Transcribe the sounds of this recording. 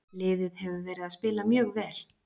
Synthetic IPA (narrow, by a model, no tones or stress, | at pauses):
lɪːðɪðhɛvʏvɛːɾɪðaðspɪːlamjœːɣvɛːl